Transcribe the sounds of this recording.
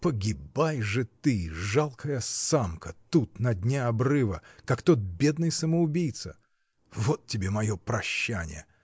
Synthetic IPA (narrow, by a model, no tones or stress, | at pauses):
pəɡʲɪbajʐɨt̪ɨʐalˠkʰəjəsamkət̪ut̪nɐdʲnʲaɐbrɨvəkakt̪ot̪̚bʲe̞d̪nɨjsəməʊbʲijt̪sə̰ | vot̪tʲɪbʲemɐjo̞pɾɐɕːænʲɪ̰jə